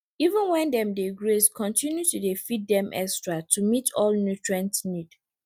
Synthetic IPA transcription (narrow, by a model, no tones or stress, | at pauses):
ivə̃nwɛ̃ndɛ̃mdeɡɹeskʰɔ̃ntĩnjutudefit̚dɛ̃mʔɛ̰kstɹatʰumitʰɔlnjutɹãntnid̥